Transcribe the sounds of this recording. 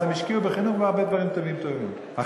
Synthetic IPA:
emiʃkiubeχinuχmeaʁbed̪vaʁimt̪ovimt̪o̞vim | ha

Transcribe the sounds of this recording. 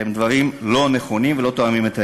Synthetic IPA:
emd̪vaʁimlo̞ne̞χo̞nimvelot̪oamimet̪a

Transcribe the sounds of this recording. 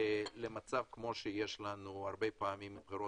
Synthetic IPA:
lemat͡savkmo̞ʃejeʃlanuaʁbejpaːmimb̥χiɾo

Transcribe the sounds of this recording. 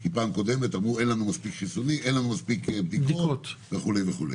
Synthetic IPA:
kipaːmko̞d̪e̞met̪amʁue̞nlanumaspikχisoniʔenlanumaspikbd̪ibkd̪iokott̪veχulejveχulḛ

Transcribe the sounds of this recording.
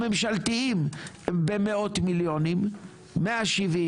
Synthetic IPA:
memʃalt̪iim | bemeo̞t̪miljo̞nimː | eaʃivi

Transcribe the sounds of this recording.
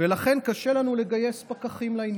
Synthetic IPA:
velaχe̞nkaʃe̞lanule̞ɡaje̞spakaχimlain

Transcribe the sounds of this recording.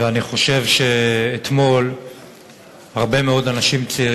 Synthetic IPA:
eaniχo̞ʃe̞vʃe̞ːt̪mo̞l | haʁbe̞meo̞danaʃimt͡siiʁ

